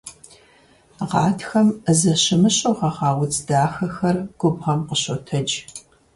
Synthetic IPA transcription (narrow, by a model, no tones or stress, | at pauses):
ʁɑːtxɐmzɐɕɪmɨɕʼowʁɐʁɑːwt͡sʼdaːxɐxɐrɡ̥ʷʊbʁɐmqəɕotʰɐd͡ʒ